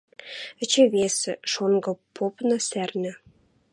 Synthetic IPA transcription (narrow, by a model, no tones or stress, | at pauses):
ɘ̆t͡ɕɘ̆βesɘ̰̆ʃonɡɤ̆pʰopnɤ̆særnʲɘ̆